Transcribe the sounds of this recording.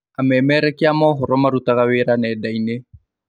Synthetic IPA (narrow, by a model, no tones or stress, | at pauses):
amɛmɛɾɛkiamɔɦʊɾɔmaɾutaɣaweɾanɛːdaine